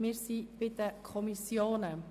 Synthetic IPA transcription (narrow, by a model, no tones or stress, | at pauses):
mɪːɾsib̥ɪd̪əkʰɔmisjoːnə